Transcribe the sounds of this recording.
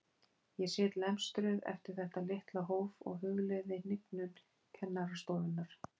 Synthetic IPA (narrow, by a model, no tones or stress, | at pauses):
jɛsɪːt̪lɛmst̪ɾʏðɛ̰ft̪ɪɾ̥θɛht̪alɪht̪laɦoːwvɔ̰ɣɦʏɣlɪðɪnɪknʏn | cʰɛnːaɾast̪oːwðʏnːaɾ̥